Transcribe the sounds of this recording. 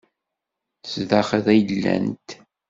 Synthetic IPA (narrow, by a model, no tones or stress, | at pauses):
θsðæχəðæjəlːæ̰nt̪